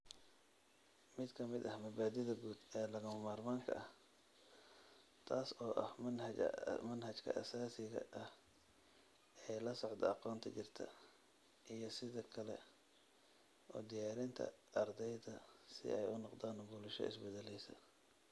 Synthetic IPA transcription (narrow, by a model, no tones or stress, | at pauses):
mɪd̪kʰɐmɪd̪ɐhmɐbaːd̪ɪðɐɡuːd̪ɛːlɐɣɐmɐmaːrmaːŋkʰɐ̰ʔɐh | t̪ʰaːsɔːʔɐ̰hmnɐ̰mɐnhɐt͡ʃkʰɐ̰ʔɐ̰saːsɪɣɐ̰ʔɐh | ɛːjlɐsɔʕd̪ɐɑqɔːnt̪ʰɐt͡ʃɪrt̪ʰɐ̰ | ʔijɞsɪðɐkʰɐlɛ̰ | ɔːd̪ɪjaːɾɪnt̪ʰɐ̰ɐrd̪ɛjðɐsɪ̰ʔɛjʊnɔqd̪aːnbʊlɪʃɔ̰ɪ̰sbɛd̪ɛlɛjsɐ̰